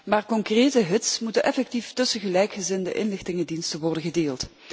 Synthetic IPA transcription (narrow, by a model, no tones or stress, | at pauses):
maːrkɔŋkreːtəɦɪtsmutənʔɛfɛk̚tiftɵsəɣəlɛjkχəzɪndə̰ʔɪnlɪxtɪŋədinstənʋɔrdənɣədeːlˠt